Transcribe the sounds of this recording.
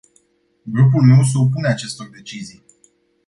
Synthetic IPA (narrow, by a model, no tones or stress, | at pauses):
ɡɾup̬ulme̞ws̬up̬uneat͡ʃe̞st̪o̞rd̪e̞t͡ʃizij